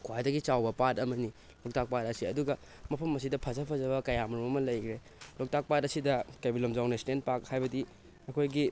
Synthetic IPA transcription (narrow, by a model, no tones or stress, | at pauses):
kʰwajdɐɡit͡ʃawbɐpatɐmɐni | lok̚tak̚pat̚ɐsiɐduɡɐ | mɐpʰɐmɐs̬idɐpʰɐzɐpʰɐzɐbɐkɐjamɾumɐmɐlɐjkʰɾe | lok̚tak̚patɐsidɐkebilomd͡ʒawnɐstent̚pak̚hajbɐdi | ɐkʰojɡi